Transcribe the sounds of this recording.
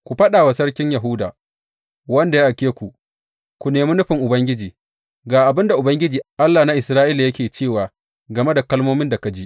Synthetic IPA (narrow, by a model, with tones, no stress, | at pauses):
kʷu˨ɸɐ˦ɗaː˨wa˨sɐ˦ɽkʲɪ˦ɲja˨ɦʊ˦da̰ː˨ | wɐ˦nda˨ja˦ʔa˨kʲeː˦kʷu˨ | kʷu˨neː˨mi˦nʊ˦ɸɪ˨ŋʔʊ˨bɐ˦ŋɡʲɪ˦d͡ʒiː˨ | ɡaː˨ʔa˨bɪ˦nda˨ʔʊ˨bɐ˦ŋɡʲɪ˦d͡ʒiː˨ʔa˦lːaː˨na˦ʔɪ˨sɾaː˦ʔiː˦la˨jɐ˦kʲeː˨t͡ʃeː˦˨waː˨ | ɡɐ˨me˦da˨kɐ˦lmoː˦mɪ˦nda˨ka˨d͡ʒi˦ʔ